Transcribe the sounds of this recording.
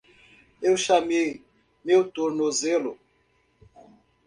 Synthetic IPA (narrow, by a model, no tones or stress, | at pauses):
ewʃame | meutuɾnozelo